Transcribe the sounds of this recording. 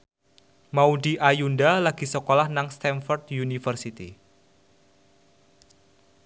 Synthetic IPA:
mauɖiʔajundalaɡ̥i̤səkolahnaŋst̪ɛnfɔrt̪junifərsit̪ḭ

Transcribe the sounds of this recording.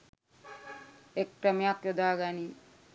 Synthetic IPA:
ek̚ʈamiakjod̪aːɡani

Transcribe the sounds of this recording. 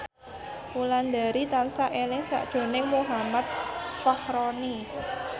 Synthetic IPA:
uland̪aɾit̪ansaʔelɪŋsa̰ʔd̥ʒ̥o̤nɪŋmuɦamat̪̚fɔhɾɔni

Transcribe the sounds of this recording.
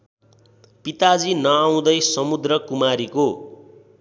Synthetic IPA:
pit̪ad͡zinʌaw̃d̪ʌjsʌmud̪rʌkumaɾiko

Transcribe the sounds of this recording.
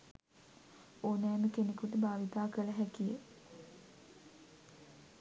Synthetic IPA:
oːnæːməkenekuʈəbʱaːʋit̪aːkəlɐɦækije

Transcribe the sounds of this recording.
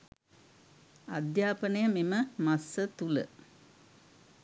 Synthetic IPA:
ad̪jaːpənəjəmiməmasːət̪ulə̰

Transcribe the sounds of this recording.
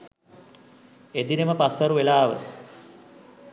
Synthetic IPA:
ed̪ineməpasːɐɾuʋelaːʋə

